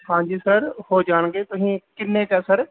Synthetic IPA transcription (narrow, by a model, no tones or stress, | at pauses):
ɦãːd͡ʒiːsəɾhod͡ʒaːñɡet̪ʊɦĩkɪnːekasəɾ